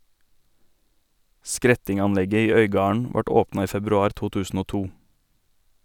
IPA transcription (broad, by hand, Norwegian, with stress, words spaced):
ˈskɾɛtɪŋɑnˌlɛɡə ˈiː ˈœʏɡɑːɳ̩ ˈʋɑʈ ˈoːpnɑ ˈiː fɛbɾʉˈɑːɾ ˈtuː ˈtʉːsn̩ ˈoː ˈtuː